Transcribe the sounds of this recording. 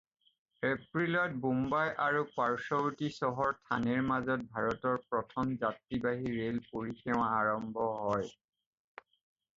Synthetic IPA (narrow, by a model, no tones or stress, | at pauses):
epɹilɔt̚bumbajʔaɹupaɹsɔbtisɔɦɔɹtʰa̰neɹmazɔt̚bʱaɹɔtɔɹpɹɔtʰɔmzatɹibaɦiɹelpoɹikʰɛwaaɹɔmbʱɔɦɔj